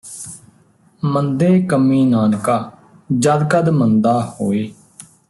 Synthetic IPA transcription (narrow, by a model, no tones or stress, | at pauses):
mənd̪eːkəmiːnaːnkaː | d͡ʒəd̪kəd̪mənd̪aːhoːeː